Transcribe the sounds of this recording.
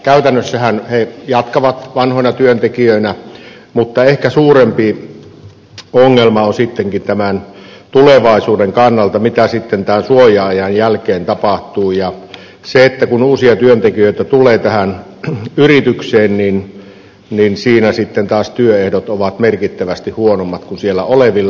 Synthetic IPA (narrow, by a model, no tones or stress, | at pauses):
kæyt̪ænːøsːæhænhejɑt̪kɑʋɑt̪ʋɑnhŏnɑt̪yønt̪ekiøinæ | mut̪ːɑehkæsuːrempi | oŋːelmɑonsit̪ːeŋkint̪æmæn | t̪uleʋɑˑisuːdeŋkɑnːɑlt̪ɑmit̪æsit̪ːent̪æːnsuojɑɑjɑnjælkeːnt̪ɑpɑht̪uːjɑ | seet̪ːækunuːsiɑt̪yønt̪ekijøˑit̪æt̪ulˑeːt̪æhæn | yrit̪ykseːnnin | ninsiːnæsit̪ːent̪ɑːst̪yøehdot̪oʋɑt̪merkit̪ːæʋæst̪ihuonomːɑt̪kunsielˑːæ̰oleʋilːɑ